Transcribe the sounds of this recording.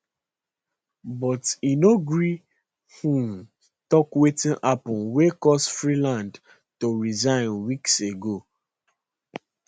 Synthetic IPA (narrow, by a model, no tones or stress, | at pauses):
bɔtinoɡɹi | hũm | tɔkwetĩnʔapɔ̃nwekɔstfɹilãnd | toɹizãɪ̃nwikseɡo